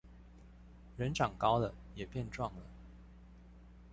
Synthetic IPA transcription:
ɻə˧˥nʈ͡ʂɑ˨˩ŋkɑ˥ʊd̪ə˨jɛ˨˩pjɛ˥˧nʈ͡ʂwɑ˥˩ŋlə̰˩

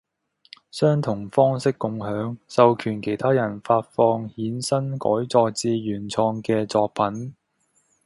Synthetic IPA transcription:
sœː˥ŋt̪ʰʊ˨˩ŋfɔː˥ŋsɪ˥kːʊ˧ŋɦœː˨˥ŋsɐ˨wkʰyː˨˩nkʰe˨˩jt̪ʰaː˥jɐ˨˩nfaː˧t̚fɔː˧ŋhiː˨˥nsɐ˥nkɔ̰ː˨˥jt͡sɔː˧k̚t͡siː˧ɥyː˨˩nt͡sʰɔː˧ŋkɛː˧t͡sɔː˧k̚pʰɐ˨˥n

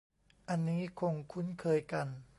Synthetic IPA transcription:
ʔa˧nːiː˦˥kʰo˧ŋkʰu˦˥nkʰɤː˧jka˧n

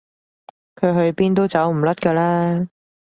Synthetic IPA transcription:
kʰɵ˨˧ɥɦɵ˧ɥpiː˥nt̪o˥wt͡sɐ˨˥wm̩˨˩lɐ˥t̚kɐː˧laː˥

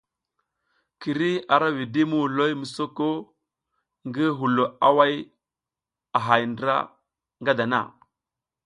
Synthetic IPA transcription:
ki˨ɾi˦a˨ɾa˦vi˨di˦mu˦u˨lo˦jmu˨so˦ko˦ | ŋɡi˦ɦu˨lo˨a˦wa˦j | a˨ɦa˨jndɾa̰˦ | ŋɡa˦da˨na̰˦˨

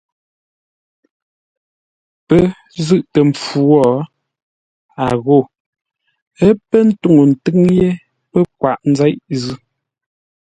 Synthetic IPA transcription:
pə˦ | zɨ˦˨ʔtə˨m˨p͡fu˨ɔ˦˨ | a˨ɣo˦˨ | ə˦pə˦n̩˦tu˦ŋo˨n̩˨tɨ˦ŋje˦ | pə˦k̚wa˨ʔn̩˦zɛ˦jʔzʉ˦˨

